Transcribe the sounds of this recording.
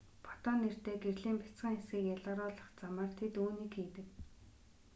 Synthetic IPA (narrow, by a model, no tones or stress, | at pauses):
pʰɔ̥t̪ɔːnːer̥t̪eːɡerɮiːmpḁt͡sɢĭːŋesɡiːkjaɮɔːɾɔːɮɞ̆χt͡saməːrt̪ʰet̪uːniːkxiːt̪ɘ̆k